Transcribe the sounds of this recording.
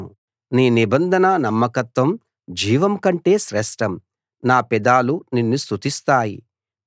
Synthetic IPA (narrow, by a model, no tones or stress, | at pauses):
u | niːnibɐnd̪ʱɐnɐnɐmːɐkɐt̪ʋɐm | d͡ʒiːʋɐmkɐɳʈe̞ːʃɾɛʂʈɐm | naːpɛd̪aːluninːist̪ut̪ist̪aːjḭ